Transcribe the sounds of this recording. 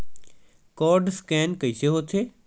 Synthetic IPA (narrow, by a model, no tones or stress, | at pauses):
kɔːɾɖskɛ̃ːnkɐiseɦot̪ʰeː